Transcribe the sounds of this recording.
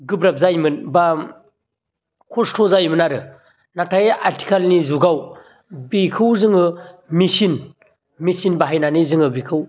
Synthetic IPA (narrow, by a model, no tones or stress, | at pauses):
ɡɯbɾap̚zajmɯnba | kʰɔstʰɔzajmɯnaɾɯ | natʰajaɾtʰi̥kʰalnizuɡaw | bikʰɯwzɯŋɯmisin | misinbaɦajnanizɯŋɯbikʰɯw